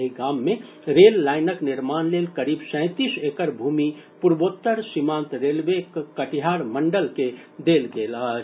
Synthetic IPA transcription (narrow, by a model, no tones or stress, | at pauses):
iɡaːmːẽ | ɾeːlːaːɪnəknɪɾmaːnleːlkəɾiːbsɛ̃ɪt̪iːseːkəɾbʱuːmi | puɾboːt̪ːəɾsimãːnt̪ɾeːlʋekkəʈiɦaːɾməɳɖəlked̪eːlɡeːla